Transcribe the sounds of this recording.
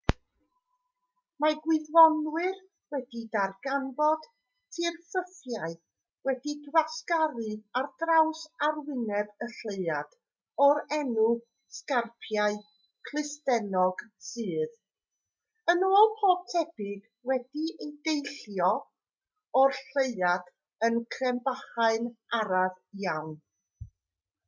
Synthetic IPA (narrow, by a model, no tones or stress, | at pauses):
maɡwɪðvɔnwɨr | wɛdidarɡ̥anbɔd̥ | tʰɨrfəθjaɨ | wɛdidwaskaɾɨard̥rawsarwɪnɛvəɬeɨad̥ | ɔɾɛnu | skarpʰjaɨ | kʰlˠɨstɛnɔɡ̥sɨːð | ənoːlˠpʰoːb̥̚tʰɛb̥ɪd | wɛd̥iejdejɬjɔ | ɔrɬeɨad̥ | ənkʰrɛmbaχaɨnaɾav | jawn